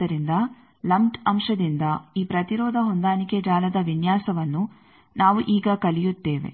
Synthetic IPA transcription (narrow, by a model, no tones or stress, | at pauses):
ɐɾind̪ɐ | lɐmʈɐmʂɐd̪ind̪ɐiːpɾɐt̪iɾɔːd̪ʱɐɦond̪aːniked͡ʒaːlɐd̪ɐʋinjaːsɐʋɐnːu | naːʋuʔiːɡɐkɐlijut̪ːeːʋe̞̰